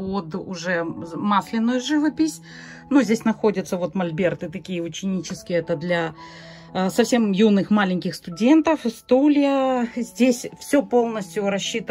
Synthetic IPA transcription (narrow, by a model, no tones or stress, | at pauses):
pod̪ʊʐɛmaslʲɪnːʊjʊʐɨvɐpʲɪsʲ | nuzʲdʲesʲnɐxo̞dʲɪt̪səvo̞t̪mɐlʲbʲert̪ɨt̪ɐkʲijəʊt͡ɕɪnʲit͡ɕɪskʲɪjəɛt̪əd̪lʲɐ | sɐfsʲe̞mjunɨxmalʲɪnʲkʲɪxst̪ʊdʲe̞nt̪əfst̪ulʲɪjəzʲdʲesʲfsʲɵpo̞lˠnəsʲt̪ʲjʊɾɐɕːit̪ə